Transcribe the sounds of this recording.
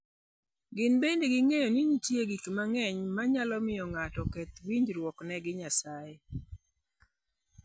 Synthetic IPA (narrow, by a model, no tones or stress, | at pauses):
ɡɪnbendeɡɪŋejɔniɲitjeɡikmaŋɛɲmaɲalɔmɪjɔŋatɔkɛt̪wiɲd͡ʒɾwɔknɛɡɪɲasae